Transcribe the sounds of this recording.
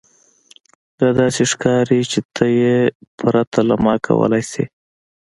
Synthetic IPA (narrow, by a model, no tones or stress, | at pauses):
d̪̥ɑd̪ɑseʂkɑɾit͡ʃet̪ʰəjepɾat̪ʰalamɑkʰa̰wə̰lajsḛ